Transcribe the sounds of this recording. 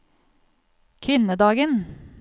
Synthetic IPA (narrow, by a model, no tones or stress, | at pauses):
kʰʋɪnəd̪ɑːɡən